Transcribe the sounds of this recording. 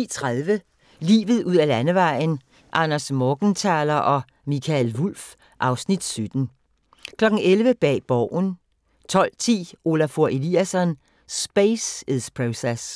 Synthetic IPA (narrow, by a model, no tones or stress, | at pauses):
it͡sʰʁaðˠʋə | lḭːʋð̩ˠʔuð̰ˠælænəʋɑ̈ɪ̰n | ʔɑ̈nɐsmɔːɡ̥n̩t͡sʰɑːlɐʔɒ̽ | mikʰælʋul̰f | ʔɑ̈ʊsnid̥sød̥n̩ | kʰlɒ̽ɡ̥ŋ̩elʋəb̥ɛ̰ːb̥ɒʊ̰n | t͡sʰɒ̽l̰t͡sʰḭːo̝læfo̝ɐʔe̝liæsɒn | sb̥eseðˠspʰʁoses